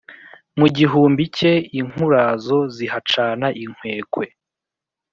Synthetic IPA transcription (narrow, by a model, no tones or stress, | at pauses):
muɟiɦuːmbice̞iŋ̥huɾazo̞ziɦat͡ʃaːnaʔiŋ̥we̞ːkwe̞